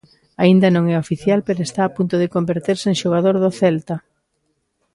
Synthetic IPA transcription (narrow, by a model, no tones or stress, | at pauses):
aind̪ɐnõŋɛofiθjalpeɾoest̪aːpunt̪oðɪkombeɾt̪eɾseŋʃoɣ̞aðoɾðʊθɛlt̪ɐ